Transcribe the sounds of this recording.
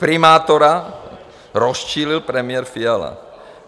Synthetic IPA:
pɾɪmaːt̪oɾa | ɾost͡ʃiːlɪlpɾɛmɪjɛɾfiala̰

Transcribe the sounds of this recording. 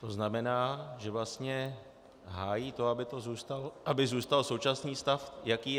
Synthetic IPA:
t̪oznamɛnaːʒɛvlast̪ɲɛ | ɦaːjiːt̪o̞abɪt̪o̞zuːst̪alʔabɪzuːst̪also̞wt͡ʃasniːst̪afjakiː

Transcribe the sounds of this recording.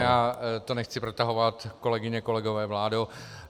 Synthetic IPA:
jaːt̪onɛxt͡sɪpɾot̪aɦo̞vat̪ko̞lɛɡɪɲɛko̞lɛɡo̞vɛːvlaːdo

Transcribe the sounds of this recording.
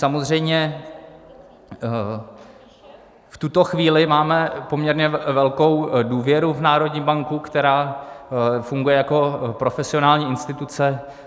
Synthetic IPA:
samozr̝ɛjmɲɛ | ft̪ut̪o̞xviːlɪmaːmɛpo̞mɲɛɾɲɛvɛlko̞wduːvjɛɾuvnaːɾo̞dɲiːmbaŋkukt̪ɛɾaː | fuŋɡujɛjako̞pɾo̞fɛsɪo̞naːlɲiːʔɪnst̪ɪt̪ut͡sɛ

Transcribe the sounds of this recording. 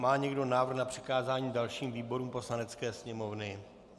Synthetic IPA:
maːɲɛɡdo̞naːvr̩xnapr̝̥ɪ̥kaːzaːɲiːdalʃiːmviːbo̞ɾuːmpo̞slanɛt͡skɛːsɲɛmo̞vnɪ

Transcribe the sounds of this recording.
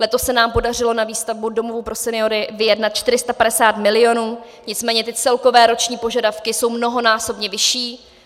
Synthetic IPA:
lɛt̪o̞sːɛnaːmpo̞dar̝ɪlo̞naviːst̪avbudo̞movupɾo̞sɛnɪo̞ɾɪvɪjɛdnat̪̚t͡ʃt̪ɪɾ̝ɪst̪apadɛsaːt̪mɪlɪo̞nuː | ɲɪt͡smɛːɲɛt̪ɪt͡sɛlko̞vɛːɾo̞t͡ʃɲiːpo̞ʒadafkɪso̞wmno̞ɦo̞naːso̞bɲɛvɪʃiː

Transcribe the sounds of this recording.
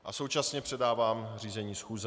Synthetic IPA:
ʔaso̞wt͡ʃasɲɛpr̥ɛdaːvaːmriːzɛɲiːsxuːzɛ

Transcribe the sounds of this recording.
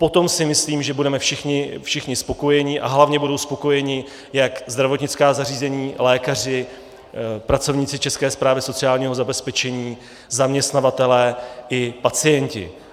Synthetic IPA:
po̞t̪o̞msɪmɪsliːmʒɛbudɛmɛfʃɪxɲɪfʃɪxɲɪspo̞ko̞jɛɲɪʔa̰ɦlavɲɛbudo̞wspo̞ko̞jɛɲɪ | jakzd̪ɾavo̞t̪ɲɪt͡skaːzariːzɛɲiːlɛːkar̝ɪ | pɾat͡so̞vɲɪt͡sɪt͡ʃɛskɛːspɾaːvɪso̞t͡sɪaːlɲiːɦo̞zabɛspɛt͡ʃɛɲiː | zamɲɛst̪navat̪ɛlɛːʔɪpat͡sɪjɛɲcɪ̰

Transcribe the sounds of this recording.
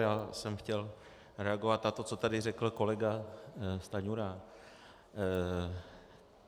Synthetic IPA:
jaːsɛmxcɛl | ɾɛaɡo̞vat̪nat̪o̞t͡so̞t̪adɪrɛkl̩ko̞lɛɡast̪aɲuɾa

